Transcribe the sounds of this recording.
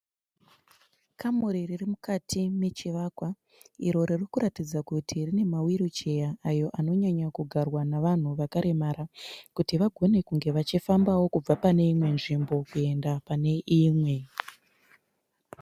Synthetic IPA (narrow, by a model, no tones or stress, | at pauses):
kʰamuɾiririmukatʰime̞t͡ʃiʋakwa | iɾo̞ɾirikuɾatid͡zakutʰirine̞mawiɾot͡ʃe̞jaːjo̞ʔano̞ɲaɲakuɡʱarwanaʋan̤uʋakaɾʔe̞maɾakutiʋaɡʱo̞ne̞kuŋɡe̞ʋat͡ʃifambawo̞kub͡vapane̞imwe̞nʐimbo̞kue̞ndapane̞ʔimwe̞